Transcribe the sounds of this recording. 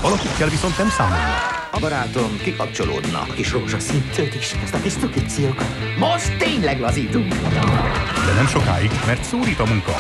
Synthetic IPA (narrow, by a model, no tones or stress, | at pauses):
vɒlɒkikːɛlʋiso̞nt̪nɛmsaːmolnḭ | ɒbɒɾaːt̪omkikɒp̚t͡ʃo̞lo̰ːd̪nɒ̰kkiʃoɦoʃɒsint̪øːt̪iʃɛst̪ɒpist̪ukit̪sijokɒt̪ | moʃt̪ːeːɲlɛɡlɒziːt̪uŋkɒd̪ɒmd̪ɛnɛmʃo̞ka̰ːjiɡmɛrt̪soːɾiːt̪ɒmuŋkɒ̰